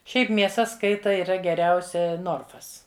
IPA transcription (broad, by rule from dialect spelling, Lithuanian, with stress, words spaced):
ˈʃʲɛɪp mʲiɛˈsɐ ˈskɐɪtɐ iːˈrɐ ɡʲɛˈrʲɛʊsʲɛ ˈnoːrfɐs